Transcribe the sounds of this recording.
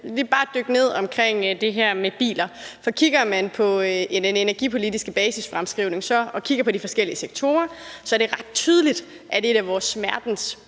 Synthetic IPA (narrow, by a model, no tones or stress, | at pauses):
lib̥ɑ̈ːd̥øɡ̥əne̝ð̞̰ˠɒ̽mkʰʁeŋ̰d̥e̝ɦæɐ̰meb̥ḭːlɐfɒ̽kʰiɡ̥ɐmænpʰɒ̽e̝ndenenæɐɡ̥ḭpʰo̝lidisɡ̥əb̥ɛːsisfʁamsɡ̥ʁiʊne̝ŋsɒ̽ɒ̽kʰiɡ̥ɐpʰɒ̽ɾ̥ifɒ̽sɡ̥el̰iəseɡ̥̚t͡sʰo̝ːɐsɒ̽æɐɾ̥e̝ʁɑ̈d̥̚t͡sʰyːð̞ˠəlid̥ | ʔæɐd̥e̝ɾ̥æʋɒːsmæɐd̥n̩s